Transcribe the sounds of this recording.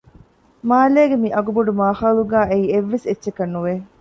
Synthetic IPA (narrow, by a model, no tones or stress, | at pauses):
maːleːɡemiʔɐɡuboɖumaːhaːluɡæːʔeiːeʋːesetːʃekɐnːuʋe